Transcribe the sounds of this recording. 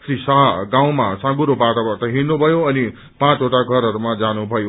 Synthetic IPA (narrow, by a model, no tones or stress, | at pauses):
krisaɦʌɡaw̃masãɡuɾobat̪abʌrt̪ʌɦinnubʱʌjoʌni | pãt͡soʈaɡʱʌɾɦʌɾumad͡zanubʱʌjo